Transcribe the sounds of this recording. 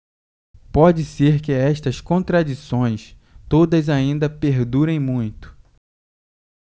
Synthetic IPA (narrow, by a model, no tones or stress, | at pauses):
pɔd͡ʒɪseɾkɪɛʃt̪ɐskõnt̪ɾad͡ʒisõj̃s | t̪od̪ɐzaĩnd̪ɐpeɾd̪uɾẽj̃mũj̃t̪ʊ̥